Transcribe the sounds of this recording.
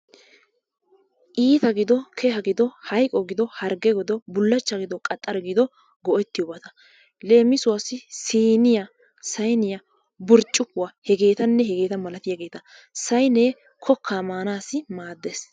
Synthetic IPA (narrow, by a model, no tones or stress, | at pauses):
ʔiːt̪ɐɡɪd̪ɔkʰɛhɐɡɪd̪ɔhɐjkʼɔɡɪd̪ɔhɐɾɡɛɡɔd̪ɔbʊlːɐt͡ʃːɐɡɪd̪ɔkʼɐt̪ʼːɐɾɡɪd̪ɔ | ɡɔʔɛt̪ːɪjɔbɐt̪ɐ | le̞ːmːɪsʊwɐsːɪsiːnɪjɐ | sɐjnɪjɐ | bʊɾt͡ʃʼːʊkːʊwahɛɡe̞ːt̪ɐnːɛɦɛɡe̞ːt̪ɐmɐlɐt̪ɪjaɡe̞ːt̪ɐ | sɐjneː | kʰɔkːaːmaːnaːsɪmaːd̪ːes